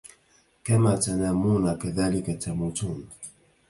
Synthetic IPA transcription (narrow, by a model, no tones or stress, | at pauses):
kamaːt̪anamuːnakaðaːlɪkat̪amut̪uːn